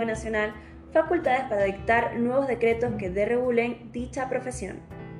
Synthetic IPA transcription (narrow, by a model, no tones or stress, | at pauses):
enasjo̞nal | fakult̪að̞espaɾaðik̚t̪aɾnwe̞β̞o̞zðe̞kɾe̞t̪o̞ske̞ðereɣule̞nd̪it͡ʃapɾo̞fe̞sjo̞̰n